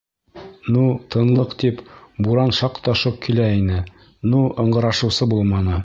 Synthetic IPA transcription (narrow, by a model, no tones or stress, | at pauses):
nut̪ʰɤ̆nlˠɤqt̪ipbuɾɑnʃɑqt̪ɑʃɤp̚kʰilæinɘ | nuɤ̆ɴɢɤ̆ɾɑʃɤ̆wsɤbulˠmɑnɤ